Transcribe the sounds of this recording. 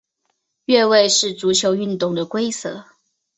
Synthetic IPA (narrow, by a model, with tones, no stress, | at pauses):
ɥɛ˥˧we˥˧ɪʂɻ̩˥˩t͡su˧˥t͡ɕʰjo˧˥ʊy˥˧nt̪ʊ˥˩ŋd̪ə˨kwe˥ɪsɤ̰˧˩˦